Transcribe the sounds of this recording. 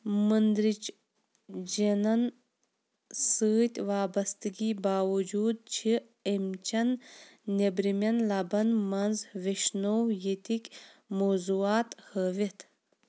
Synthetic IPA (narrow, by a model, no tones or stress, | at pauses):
mɨnd̪ɾit͡ʃ | d͡ʒenɐn | sɨːt̪ʲʋaːbɐst̪iɡʲibaːwud͡ʒuːd̪̚t͡ʃʰi | emt͡ʃɐnnebɾimʲɐnlabɐnmɐnzʋeʃnowjet̪ikʲmozuaːt̪həʋit̪ʰ